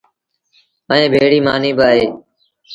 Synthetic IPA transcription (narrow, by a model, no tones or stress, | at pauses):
əẽːbʱeːɽiːmaːniːbəːɦeː